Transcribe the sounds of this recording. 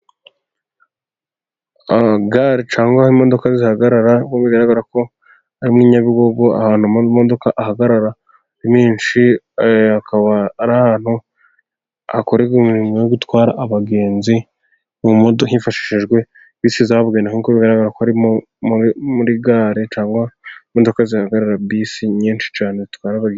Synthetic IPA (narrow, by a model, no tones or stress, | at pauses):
aɡaːɾet͡ʃaːŋɡahimːo̞do̞kazihaɡaɾaɾaoβiɡaɾaɡaɾako̞ | aɾimniɲaβiɡo̞ɡo̞a̰haːn̥umo̞do̞kaʔaɦaɡaɾaɾa | ɾimiːnʃi | akaβaːɾahaːn̥hu | ako̞ɾeɡumiɾimojoɡutwaːɾa̰ʔaβaɡe̞ːnzi | oumodhifaʃi̥ʃiʒɡwe̞ | βiːsizahoβɡeːndaɦuikoβiɡaɾaɡaɾakohaɾim | muɾiɡaːɾet͡ʃaːmɡamo̞do̞kazihaɡaɾaɾabβiːsiɲiːnʃi̥t͡ʃaːnezitwaːɾaβaɡe